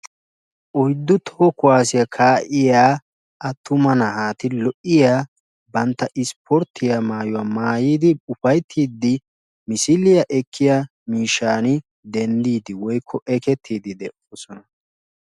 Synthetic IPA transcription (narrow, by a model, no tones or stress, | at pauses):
ʔɔjd̪ːʊt̪ʰoːkʊwaːsɪjakʰaːʔɪjaː | ʔɐt̪ːʊmɐnɐhaːt̪ɪlɔʔːɪjaː | bɐnt̪ːɐʔɪspʰɔɾt̪ʰːɪjamaːjʊwaːmaːjiːd̪ɪʊfɐjt̪ʰːiːd̪ɪ | mɪsɪlɪjɐʔɛkʰːɪja | miːʃːaːnɪ | d̪ɛnd̪iːd̪ɪwɔjkʰːɔʔɛkɛt̪ʰːiːd̪ɪd̪ɛʔoːsɔnɐ